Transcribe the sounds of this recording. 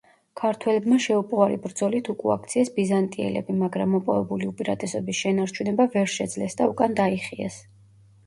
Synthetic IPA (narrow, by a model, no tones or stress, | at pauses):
kʰaɾt̪ʰwɛlɛbmaʃɛupʼwaɾibɾd̪zɔlit̪ʰukʼua̰kʰt̪sʰiɛsbizant̪ʼiɛ̰lɛ̰bimaɡɾamːɔpʼɔvɛbuliupʼiɾat̪ʼɛsɔbisʃɛnaɾt͡ʃʰunɛbavɛɾʃɛd̪zlɛsd̪aukʼand̪aiχiɛ̰s